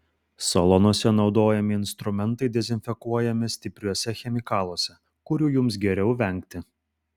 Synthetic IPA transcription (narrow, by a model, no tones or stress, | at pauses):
sɐlˠɔnuɔsʲɛnɒʊd̪oːjɛmʲɪɪnst̪ɾʊmʲɛnˑt̪ɐɪd̪ʲɛzʲɪnʲfʲɛkuɔjɛmʲɪsʲt̪ʲɪpʲɾʲuɔsʲɛxʲɛmʲɪkɑːlˠoːsʲɛ | kʊɾʲuːjʊms̬ɡʲɛɾʲɛʊʋʲɛŋʲˑkt̪ʲɪ